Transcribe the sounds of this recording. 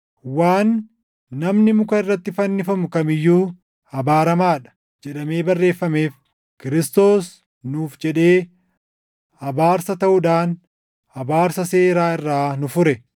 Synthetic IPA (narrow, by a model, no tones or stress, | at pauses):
waːnː | ɐmnɪmʊkɐɪrːɐt̪ːɪfɐnːɪfɐmʊkɐmɪjːuː | hɐbaːɾɐmaːᶑɐ̥ | d͡ʒɛᶑɐme̞ːbɐrːe̞ːfːɐme̞ːf | kɪɾɪst̪o̞ːs | nuːfd͡ʒɛᶑe̞ː | hɐbaːɾsɐt̪ɐʔʊᶑaːn | hɐbaːɾsɐse̞ːɾaːɪrːaːnʊfʊɾɛ